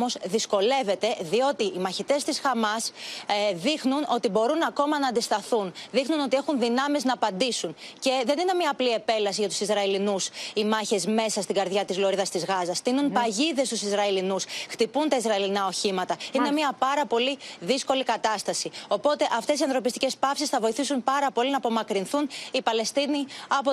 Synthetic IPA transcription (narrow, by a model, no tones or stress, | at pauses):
o̞zðisko̞le̞ve̞t̪e̞ðio̞t̪iʔimɐçit̪e̞st̪isxɐmɐs | ðixnunʔo̞t̪ibo̞ɾunɐko̞mɐnɐːnd̪ist̪ɐθunðixnuno̞t̪ie̞xunðinɐmeznɐːpɐnd̪isunce̞ðe̞nine̞mɲɐːplie̞pe̞lɐsiʝɐt̪u̥sizɾɐelinusimɐçe̞zme̞sɐst̪iŋɡɐɾðʝɐt̪izloɾiðɐst̪izɣɐzɐst̪inunpɐʝiðe̞st̪usizɾɐilinusxt̪ipunt̪ɐizɾɐilinɐo̞çimɐt̪ɐine̞miɐpɐɾɐpo̞liðisko̞likɐt̪ɐst̪ɐsio̞po̞t̪e̞ʔɐft̪e̞siɐnθɾo̞pist̪ice̞spɐfsisθɐvo̞iθisunpɐɾɐpo̞linɐːpo̞mɐkɾinθunipɐle̞st̪iniɐpo